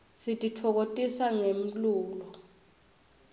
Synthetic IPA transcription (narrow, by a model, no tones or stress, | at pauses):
sitʼitʰɔk̬otʼisaŋem̩luːlɔ